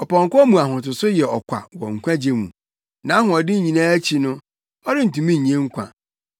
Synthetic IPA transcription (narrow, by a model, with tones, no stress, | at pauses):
ɔ˨pɔ̃˨ŋ˨kɔ˦mũ˨a˨ɦʊ̃˨tʊ˨sʊ˦jɛ˨ɔ˨kʷʰa̰˨wɔ̰˨ŋ̩˨kʷʰã˦d͡ʑe˦mṵ̃˨ | nã˨˦ɦʊ̃˨ɔ˨dɪ˦˨ɲĩ˨nãː˦æ˦t͡ɕʰi˨nʊ̃˦ | ɔ˦dɪ˦n̩˨tũ˨mĩ˦ɲ̩˨ĩ˨˦ẽ˦ŋ̩˦kʷʰã̰˨